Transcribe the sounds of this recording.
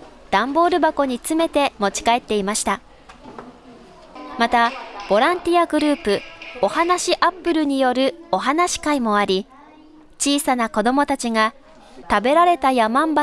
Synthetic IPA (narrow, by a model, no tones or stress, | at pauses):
d̪̥ãmbo̞ːɾɯ̟bako̞ɲ̟it͡sɨme̞t̪e̞mo̞t͡ɕi̥kae̞t̪ːe̞imaɕi̥t̪a | mat̪ab̥o̞ɾãnt̪ʲijaɡɯ̟ɾɯ̟ːpɯ̟o̞hanaɕiʔapːɯ̟ɾɯ̟ɲ̟ijo̞ɾɯ̟o̞ɦanaɕi̥kaimo̞aɾʲi | t͡ɕiːsanako̞d̪o̞mo̞t̪at͡ɕiŋa | t̪abe̞ɾaɾe̞t̪ajamãmba